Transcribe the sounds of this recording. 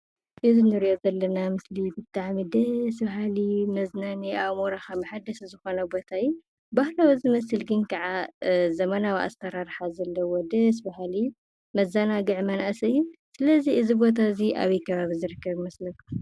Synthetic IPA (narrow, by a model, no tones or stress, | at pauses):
ʔɨzinɨɾijo̞zɐlːɐnamɨslibɨt̪ʼːaʕmid̪ɐsbaɦalimɐznaniʔaβmoɾaxamɐħad̪ɐszɨxo̞nɐbo̞t̪ʰajːu | bahlawizɨmɐsɨlɡɨnkʰɐʕazɐmɐnawiʔa̰st̪ʰɐɾaɾħazɐlːɐwod̪ɐs̬baɦali | mɐzanaɡɨʕmɐnʔasɐjːusɨlɐziɨzibo̞t̪ʰaɨziʔa̰βikʰɐβaβizɨɾɨkːɐβimɐslɐku